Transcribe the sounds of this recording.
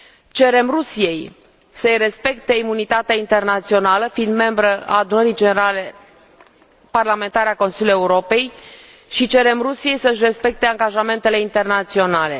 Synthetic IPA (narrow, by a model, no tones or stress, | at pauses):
t͡ʃe̞ɾe̞mrusije̞j | səəjre̞spe̞kt̪e̞imunit̪at̪eaint̪e̞rnat̪sio̞naləfind̪me̞mbɾəa̰ːd̪unəɾid͡ʒene̞ɾale̞ | parlame̞nt̪aɾeako̞nsilʲjuje̞uɾo̞pe̞j | ʃit͡ʃe̞ɾe̞mrusije̞jsəɨʃ̬ʲre̞spe̞k̚t̪e̞aŋɡaʒame̞nt̪e̞le̞int̪e̞rnat̪sio̞nale̞̰